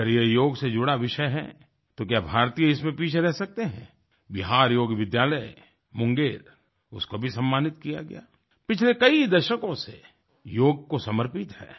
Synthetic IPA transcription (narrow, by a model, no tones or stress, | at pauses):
əɾjejoːɡsed͡ʒʊɽaʋɪʃəjɦɛ̰̃ | t̪okjaːbʱaːɾt̪ijɪsmẽpiːt͡ʃʰeɾɛɦsɐk̚t̪eɦɛ̰̃ː | bɪɦaːɾjoːɡʋɪd̪jaːləj | mʊ̃ŋɡeːɾ | ʊskobʱisɐ̃mːaːnɪt̪kija̰ɡɐ̰ja̰ː | pɪt͡ʃʰlekɐid̪ɐʃəkõse | joːɡ̚kosɐməɾpɪt̪hɛ̰ː